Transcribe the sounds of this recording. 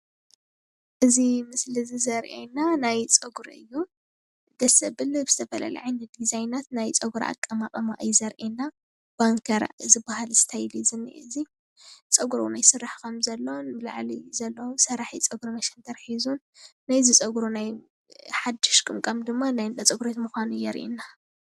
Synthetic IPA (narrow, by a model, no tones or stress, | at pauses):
ʔɨzimɨslizɨzɐɾʔḛnanajt͡sʼɐɡuɾɨ̰jːu | d̪̥ɐsɐbɨlɨbɨzɨt̪ʰɐfɐla̰lɐ̰ʕajndɨd̪izajnat̪najt͡sʼɐɡuɾa̰ʔa̰kʼːɐmakʼɐmaʔɨjzɐɾʔenːa | b̥aŋkʰɐɾzɨbːahalsɨ̥t̪ʰajlizɨnːḭʔɨzi | t͡sʼɐɡuɾunajsɨrːaħkʰɐmzɐlːonbɨla̰ʕlḭzɐlːɐwusɐɾaħit͡sʼɐɡuɾumɐʃɛnt̪ʰɐɾħizunː | ajzɨt͡sʼɐɡɾunaj | ħad̪ːɪʃkʼɨmkʼɐmd̪ɨmːanajd̪ɐt͡sʼɐɡuɾot̪mɨxanujɛɾʔḭnːa